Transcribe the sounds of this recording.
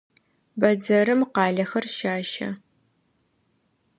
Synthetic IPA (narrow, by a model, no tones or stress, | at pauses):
bɐd͡zɐɾɨmqɑːɮɐxɐrʃaːʃɐ̰